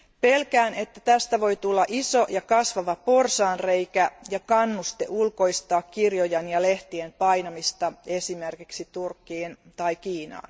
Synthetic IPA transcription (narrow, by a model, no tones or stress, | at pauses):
pe̞lkæːne̞t̪ːæt̪æst̪æʋo̞jt̪ulːɑʔiso̞jɑkɑsʋɑʋɑporsɑːnrejkæjɑkɑnːust̪eʔulko̞ist̪ɑːkkirjojɑnjɑleht̪iempɑjnɑmist̪ɑe̞simerkiksit̪urkːiːn | t̪ɑikiːnɑ̰ːn